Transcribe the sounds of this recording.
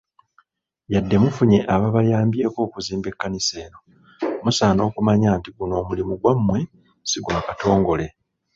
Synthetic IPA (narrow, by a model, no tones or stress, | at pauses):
jadːe̞mufuɲe̞ʔaβaβajaːmbje̞ːko̞ːkuziːmbe̞kːanise̞ːɾo̞ | musaːno̞ːkumaɲaːntiɡuno̞ːmulimuɡwamːwe̞ | siɡwaːkato̞ːŋɡo̞le̞